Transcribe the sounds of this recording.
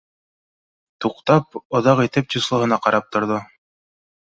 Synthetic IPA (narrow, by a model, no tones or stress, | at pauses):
t̪uqt̪ɑpŏðɑqit̪ɘp̚t̪ʲuslˠɤ̆ɦɤ̆nɑqɑɾɑp̚t̪ŏɾðo